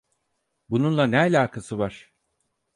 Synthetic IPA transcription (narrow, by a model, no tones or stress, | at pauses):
bununlˠanɛalʲaːkʰasɯvaɾ̥